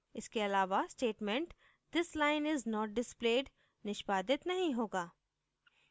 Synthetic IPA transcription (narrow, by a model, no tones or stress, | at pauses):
ɪskeɐlaːʋasʈeːʈmɛ̃ɳʈ | d̪ɪslaːɪnɪznɔːʈ̚ɖɪspleːɖ | nɪʃbaːd̪ɪt̪nɐɦĩɦoːɡaː